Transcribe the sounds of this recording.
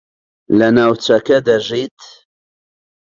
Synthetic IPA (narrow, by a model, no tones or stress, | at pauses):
lɐnaːwt͡ʃɐkɐd̪ɐʒit̪